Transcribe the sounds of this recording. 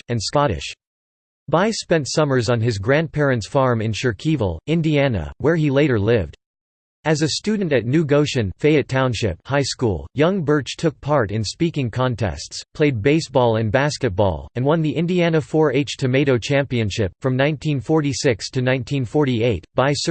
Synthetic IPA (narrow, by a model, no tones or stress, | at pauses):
ɨ̃nskɑɾɪ̰ʃ | b̥aɪspɛ̃ntsʌmə˞zn̩ɨzɡɹæ̃n̚pʰɛɹɨ̃ntsfɑɹmɨ̃nʃə˞kʰiv̰l̩ˠɪ̃ndiænə̰wə˞ileɪɾə˞lɪvd̥ | ɨzɨstʉdⁿn̩tɨtⁿnʉɡoʊʃɨ̃nfeɪɨtʰãʊ̃nʃɪ̰p̚haɪskṵlˠjʌ̃ŋbɜ˞t͡ʃtʰʊk̚pʰɑɹɾɨ̃nspikɪ̃ŋkʰɑ̃ntʰɛ̰stspʰl̥eɪd̚beɪsb̥ɔlˠɨ̃nbæskɨt̚b̥ɔ̰lˠɨ̃nwʌ̃nðiʔɪ̃ndiænɨfɔɹeɪt͡ʃtʰɨmeɪɾoʊt͡ʃʰæ̃mpiɨ̃nʃɪpfɹʌ̃mnãɪ̃ntʰĩnfɔɹɾisɪkstʰɨnãɪ̃ntʰĩnfɔɹɾieɪt̚b̥aɪs